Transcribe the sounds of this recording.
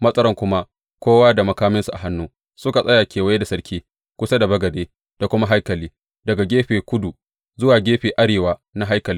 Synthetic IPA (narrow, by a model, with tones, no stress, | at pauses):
mɐ˦sʼɐ˦ɾɐ˦˨ŋkʷʊ˦ma˦ | kʷoː˦waː˦da˨mɐ˨kaː˦mɪ˦nsu˨ʔa̰˨ɦa˦nːuː˦ | sʊ˦ka˨sʼɐ˦jaː˨kʲeː˨wɐ˦je˦da˨sɐ˦ɾkʲʰiː˦ | kʷʊ˦sa˦da˨bɐ˦ɡɐ˨deː˦ | d̥a˨kʷʊ˦ma˦ɦa˦jkɐ˨liː˦ | dɐ˨ɡa˨ɡʲeː˦ɸeː˨kʷʊ˦du˨ | zʊ˦waː˨ɡʲeː˦ɸeː˨ʔa˦ɽeː˨waː˦na˦ɦa˦jkɐ˨lɪ˦